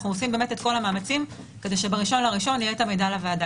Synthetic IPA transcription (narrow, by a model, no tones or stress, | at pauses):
χnuosimbeme̞tetko̞lamaːmat͡sim | ke̞deʃe̞beʁiʃo̞nlaʁiʃo̞nijetamejdalavada